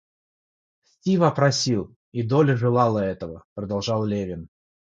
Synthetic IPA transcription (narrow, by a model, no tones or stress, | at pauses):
sʲtʲivapɾɐsʲilˠ | id̪olʲʐɨlˠɑlˠəɛt̪əvəpɾəd̪alˠʐɑlˠlʲevʲɪn